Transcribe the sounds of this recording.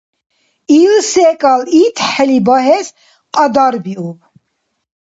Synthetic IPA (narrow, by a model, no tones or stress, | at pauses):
ilsɛkʼalit̪ʰħɛlibaɦɛs | qʼad̪aɾbiub